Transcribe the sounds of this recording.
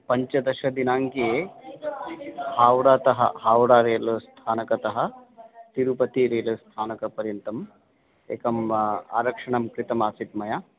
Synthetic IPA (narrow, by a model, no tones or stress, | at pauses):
pɐɲt͡ʃɐd̪ɐʃɐd̪inaːŋkie | haːwɽaːt̪ɐɦɐ̰ɦaːwɾaːɾeːlust̪ʰaːnɐkɐt̪ɐɦɐ̆t̪iɾupɐt̪iːɾeːlust̪ʰaːnɐkɐpɐɾjɐnt̪ɐm | eːkɐma̰ːɾɐkʂɐɳɐmkɾit̪ɐmaːsit̪mɐja